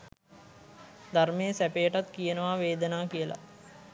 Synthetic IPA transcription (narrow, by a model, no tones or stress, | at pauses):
d̪armejəsæpejəʈat̪kijənəʋaʋeːd̪ənaːkijəla̰